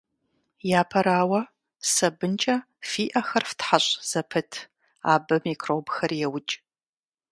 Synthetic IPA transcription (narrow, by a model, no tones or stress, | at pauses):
jaːpʰɐɾaːwɐ | sɐbɨnt͡ʃʼɐ | fiːʔɐxɐrftħaɕʼz̥ɐpʰɨtʰ | a̰ːbɐmiːkʰroːbxɐrjɛwʊt͡ʃʼ